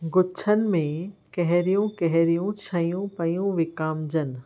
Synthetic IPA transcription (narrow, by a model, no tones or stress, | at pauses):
ɡʊt͡ɕʰənɪ̆mẽkɐɦɪɾijũkɐɦɪɾijũt͡ɕʰɐjũpɐjũʋɪkaːmd͡ʑənɪ̆